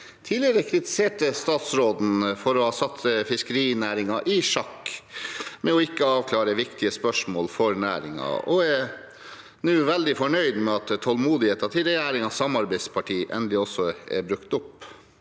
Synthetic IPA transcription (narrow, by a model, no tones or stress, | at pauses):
t̪ʰiːlɪəɾəkʰɾɪt̪ɪ̥seːʈəst̪ɑːt̪sɾoːd̪n̩fɔɾɔhɑːsɑt̪ːfɪskəɾiːnæːɾɪŋɑʔɪʂɑkː | mɛɔɪkːəɑːʋkʰlɑːɾəʋɪkt̪ɪəspœʂmoːlfɔɾnæːɾɪ̰ŋɑ̰ɔ̰ɛ | nʉːʋɛld̪ɪfɔɳœʏd̪mɛɑt̪ʰːɔlmuːd̪ɪheːt̪ɑt̪ʰɪlɾɛjæːɾɪŋɑsɑmɑɾbæɪspʰɑʈʰiːʔɛ̰nd̪əlɪɔsːɔɛ̰bɾʉkt̪ʊpː